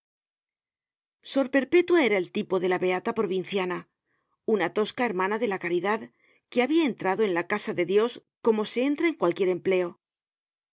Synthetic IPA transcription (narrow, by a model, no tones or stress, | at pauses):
so̞ɾpe̞ɾpe̞t̪wae̞ɾae̞lt̪ipo̞ðe̞laβe̞at̪apɾo̞βin̟θjana | unat̪o̞skae̞ɾmanaðe̞lakaɾiðað | ke̞aβiae̞nt̪ɾaðo̞e̞nlakasaðe̞ðjo̞sko̞mo̞se̞e̞nt̪ɾaeŋkwalkje̞ɾe̞mple̞o̞